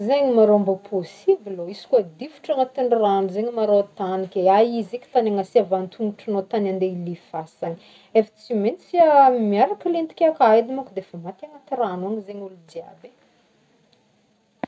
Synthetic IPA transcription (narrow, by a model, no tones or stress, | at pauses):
zeɲimaɾowmbopʰosibiloisi̥kad̪ifu̥ʈ͡ʂaŋat̪eɳranzeɲimaɾoat̪anikʲeaizekʲi̥t̪aneŋasiavant̪ʰuŋuʈ͡ʂanot̪anand̪eilifasani̥ | efḁt͡siment͡siamiaɾakəlent̪i̥kʲeakajd̪imakud̪eefamat̪eŋat̪iranuanizeɲulud̪ia̰be